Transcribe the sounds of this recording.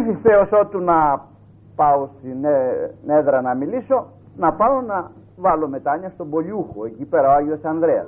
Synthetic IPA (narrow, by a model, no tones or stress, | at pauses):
θist̪eoso̞t̪unɐ | pɐo̞st̪ineneðɾɐnɐmiliso̞ | nɐpɐo̞nɐ | vɐlo̞me̞t̪ɐɲɐst̪o̞bo̞ʎuxoe̞cipeɾɐoɐʝiosɐnðɾeɐ̰